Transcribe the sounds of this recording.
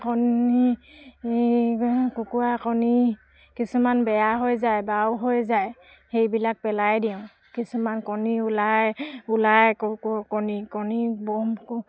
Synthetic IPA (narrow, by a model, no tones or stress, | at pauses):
kɔni | kukuakɔni | kisumanbɛjaɦojzajbawɦojzaj | hejbilak̚pɛlajdiʊ̃ | kisumankɔniulajulajkɔkkɔnikɔnibɔmk